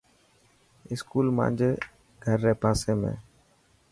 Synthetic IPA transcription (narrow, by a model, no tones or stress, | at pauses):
ɪskuːlmã̰ːnd͡ʒeː | ɡʱəɾːeːpaːseːmḛ̃ː